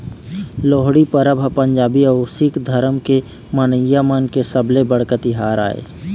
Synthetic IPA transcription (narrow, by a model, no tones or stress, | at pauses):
loːɦɽipəɾəbʱpə̃ɲd͡ʒaːbiəsɪkd̪ʱəɾəmke | mənəjːamankesəblebəɽkət̪ɪɦaːɾa̰ːḛː